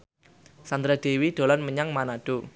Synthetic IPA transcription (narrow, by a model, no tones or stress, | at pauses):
sand̪ɾad̪̥e̤wid̪̥o̤lanməɲaŋmanaɖ̥o